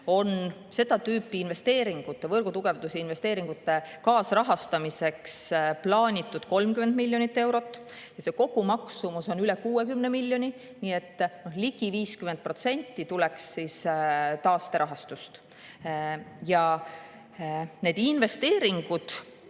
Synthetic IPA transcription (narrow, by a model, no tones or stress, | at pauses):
o̞n | se̞d̪̥ɑt̪yːpːˑiːnve̞st̪e̞ːɾiŋɡ̥ut̪ːe̞vɤrɡ̥ut̪uɡ̥e̞vd̪usiinve̞st̪eːɾiŋɡ̥ut̪ːˑe̞kɑːsrɑɦɑst̪ɑmise̞ksplɑːnʲit̪ːˑud̪̥ko̞lmkymend̪̥milʲːjo̞nit̪ːewɾo̞t̪ːˑ | jɑse̞ko̞ɡ̥umɑksumuso̞nylekuːekymnemilʲːjo̞nʲi | niːe̞t̪ːno̞hliɡ̥iviːskyme̞nd̪̚pro̞t̪se̞nʲt̪ːit̪ule̞ksːist̪ɑːst̪e̞ɾʔɑɦɑst̪ust̪ | jɑ | ne̞d̪̥inve̞st̪e̞ːɾiŋɡ̥ud̪̥